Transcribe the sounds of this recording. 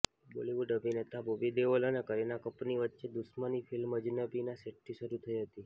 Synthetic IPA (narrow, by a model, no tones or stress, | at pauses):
boliʋuɖəbinet̪ʰabobid̪eʋələnekəɾenakəpniʋətːʃed̪usmənifilməd͡ʒnəbinaseʈ̚ʈʰiʃəɾut̪ʰəiɦət̪i